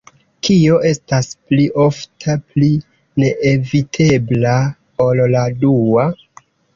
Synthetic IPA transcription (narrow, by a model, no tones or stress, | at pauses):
kio̞ʔe̞staspliʔo̞ftʰapli | ne̞ʔevitʰe̞bla | olladua